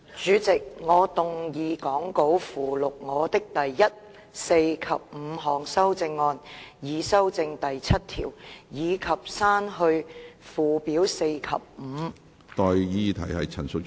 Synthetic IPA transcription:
t͡ʃyː˨˥t͡sɪ˨k̚ŋɔː˨˧t̪ʊ˨ŋjiː˨˧kɔː˨˥ŋko˨˥wfuː˨˩lʊ˨k̚ŋɔː˨˧t̪ɪ˥k̚t̪ɐ˨jːɐ˥t̚ | se˧jkʰɐ̰˨p̚m̩˨˧ɦɔː˨ŋsɐ˥wt͡sɪ˧ŋːɔː˧njiː˨˧sɐ˥wt͡sɪ˧ŋt̪ɐ˨jt͡sʰɐ˥t̚t̪ʰḭː˨˩wjiː˨˧kʰɐ˨˩p̚saː˥nɦɵ˧ɥfuː˨˩piː˨˥wse˧jkʰɐ̰˨p̚m̩˨˧ | t̪ɔː˨jjiː˧t̪ʰɐ̰˨˩jhɐ˨jt͡sʰɐ˨˩nsʊ˨k̚

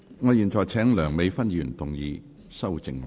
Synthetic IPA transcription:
ŋɔː˨˧jiː˨nt͡sɔː˨jt͡sʰɛː˨˥ŋlœː˨˩ŋme˨˧jfɐ˥njyː˨˩nt̪ʊ˨ŋjiː˨˧ | sɐ˥wt͡sɪ˨ŋ

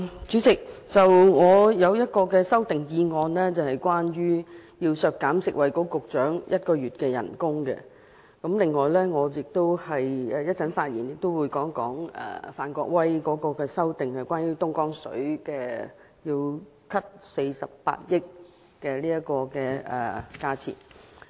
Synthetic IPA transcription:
t͡syː˨˥sɪ˨k̚t͡sɐ˨wŋɔː˨˧jɐ˨˧wjɐ˥t̚kɔː˧kɛː˧sɐ˥wt̪ɪ˨ŋjiː˨˧ŋɔː˨nlɛː˥t͡sɐ˨whɐ˨jkʷaː˥njyː˥jiː˧wsœː˨˧kːaː˨˥msɪ˨k̚wɐ˨jkɔː˨˥kʊ˨k̚t͡ʃœː˨˥ŋjʔɐ˥t̚kɔː˧ɥyː˨t̚kɛː˧jɐ̰˨˩nkʊ˥ŋkɛ̰˧ | kɐ˨˥mlɪ˨ŋːɔː˨˩jlɛː˥ŋɔː˨˧jɪ˨k̚t̪o˥whɐ˨jɛ˨jɐ˥t̚t͡sɐ˨˥nfaː˧t̚jiː˨˩njɪ˨k̚t̪o˥wuː˨˧jkɔː˨˥ŋkɔ̰ː˨˥ŋɛ̰ː˨˩faː˨nkʷɔː˧k̚wɐ˥jkɔː˨˥kɔː˧kɛː˧sɐ˥wt̪ɪ˨ŋhɐ˨˩jkʷwaː˥nɥyː˥t̪ʊ˥ŋkɔː˥ŋsɵ̰˨˥ɥkɛ˧ | jiː˧w | kʰɐ˥t̚se˧jsɐ̰˨p̚pa̰ː˧t̚jɪ˥k̚ | kɛː˧liː˥jɐ˥kɔː˧kɛː˧ɛ̰ː˨kaː˧t͡sʰḭ˨˩n

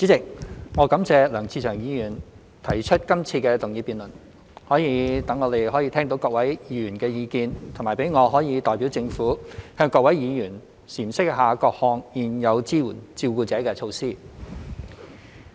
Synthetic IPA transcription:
t͡si˨˥t͡sɪ˨k̚ŋɔː˨˧kɐ˨˥mt͡sɛː˧lœː˨˩ŋt͡siː˧t͡ʃʰœː˨˩ŋjiː˨˧jyː˨˩n | t̪ʰɐ˨˩jt͡ʃʰɵ˥t̚kɐ˥mt͡sʰiː˧kɛː˧t̪ʊ˨˩ŋjiː˨˧˩piː˨˩nlɵ˨˩n | hɔː˨˥jiː˧t̪ɐ˨˥ŋɔː˨˧t̪e˨jhɔː˨˥jiː˧t̪ʰɛ˥ŋt̪o˧˥wkɔː˧k̚wɐ˨˥jjiː˨˧jyː˨˩nkɛː˧jiː˨˧kiː˧nt̪ʰʊ˨˩ŋmaː˨˩pe˨˥jŋɔː˨˧ɦɔː˨˥jiː˨˧t̪ɔː˨jpi˨˥wt͡sɪ˧ŋfuː˨˥hœː˧ŋkɔː˧k̚wɐ˨˥jjiː˨˧jyː˨˩n | siː˨˩msɪ˥k̚ɦaː˨kɔː˧k̚hɔː˧ŋjiː˨˩njɐ˨˧wt͡siː˥wuː˨˩nt͡siː˧wkuː˧t͡sɛː˨˥kɛː˧t͡ʃʰo˧wsiː˥

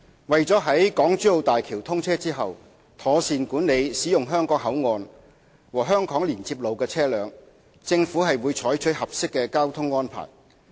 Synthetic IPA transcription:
wɐ˨jt͡sɔː˨˥ɦɐ˨˥jkɔː˨˥ŋt͡ʃyː˥o˧wt̪aː˨jkʰiː˨˩wt̪ʰʊ˥ŋt͡sʰɛː˥t͡siː˥ɦɐ˨w | t̪ʰɔː˨˥siː˨nkuː˨˥nle˨˧jsiː˨˥jʊ˨ŋɦœː˥ŋkɔː˨˥k̚hɐ˨˥wŋɔː˨˧n | wɔː˨˩ɦœː˥ŋkɔː˨˥ŋliː˨˩nt͡siː˧p̚lo˨wkɛː˧t͡sʰɛː˥lœː˨˧ŋ | t͡sɪ˧ŋfuː˨˥hɐ˨jwuː˨˧jt͡ʃʰɔː˨˥jt͡ʃʰɵ˨˥t̚hɐ˨p̚sɪ˥kːɛː˧kaː˥wt̪ʰʊ˥ŋːɔː˥npʰa̰ː˨˩j

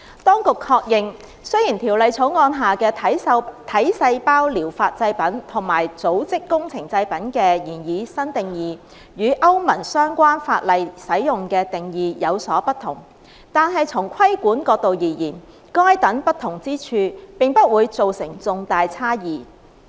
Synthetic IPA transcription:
t̪ɔː˥ŋkʊ˨kʰːɔː˧k̚jɪ˨ŋ | sɵ˥jiː˨˩nt̪ʰiː˨˩wlɐ˨jt͡sʰo˨˥wŋɔː˧nɦaː˨kɛː˧t̪ʰɐ˨˥jsɐ˧jpaː˥wliː˨˩wfaː˧t̚t͡sɐ˧jpɐ˨˥nt̪ʰʊ˨˩ŋmaː˨˩jt͡so˨˥wt͡sɪ˥kːʊ˥ŋt͡sʰɪ˨˩ŋt͡sɐ˧jpɐ˨˥nkɛː˧jiː˨˩njiː˨˧sɐ˥nt̪ɪ˨˩ŋjiː˨˩ | jyː˨˧ʔɐ˥wmɐ˨˩nsœː˥ŋkʷaː˥nfa̰ː˧t̚lɐ˨jsɐ˨˥jjʊ˨ŋkɛː˧t̪ɪ˨ŋjiː˨jɐ˨˧wsɔː˨˥pɐ˥t̪ʰːʊ˨˩ŋ | t̪aː˨nɦɐ˨jt͡sʰʊ˨˩ŋkʷʰɐ˥jkuː˨˥nkɔː˧k̚t̪o˨wjiː˨˩jiː˨˩n | kɔː˥jt̪ɐ˨˥npɐ˥t̪ʰʊ˨˩ŋt͡siː˥t͡ʃʰyː˧pɪ˨ŋpɐ˥t̚wuː˨˧jt͡so˨wsɪ˨˩ŋt͡sʊ˨ŋt̪aː˨jt͡sʰaː˥jiː˨

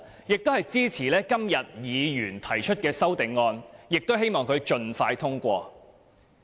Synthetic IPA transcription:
jɪ˨k̚t̪o˥whɐ˨jt͡siː˥t͡sʰiː˨˩lɛː˥kɐ˥mjɐ˨t̚jiː˨˧jyː˨˩nt̪ʰɐ˨˩jt͡ʃʰɵ˥t̚kɛː˧sɐ˥wt̪ɪ˨ŋːɔː˧njɪ˨k̚t̪o˥whe˥jmɔː˨ŋkʰɵ˨˧ɥt͡ʃɵ˧nfaː˧jt̪ʰʊ˥ŋkʷɔː˧

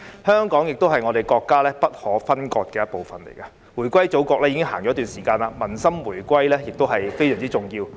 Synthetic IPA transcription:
hœː˥ŋkɔː˨˥ŋjɪ˨k̚t̪o˥whɐ˨jŋɔ˨˧e˨jkɔː˧kːaː˥lɛː˥pɐ˥t̚hɔː˨˥fɐ˥nkɔː˧t̚kɛː˧jɐ˥t̚po˨wfɐ˨nlḛ˨˩jkɐ˧ | wuː˨˩jkʷɐ˥jt͡so˨˥wkɔː˧k̚lɛː˥jiː˧kɪ˥ŋɦaː˨˩ŋt͡ʃɔː˨˥t̪yː˨˩nsiː˨˩kaː˧nlaː˧mɐ˨˩nsɐ˥mwuː˨˩jkʷɐ˥jlɛː˥jɪ˨k̚t̪o˥wɦɐ˨jfe˥jsœː˨˩ŋt͡si˥t͡sʊ˨˩ŋjiː˧w

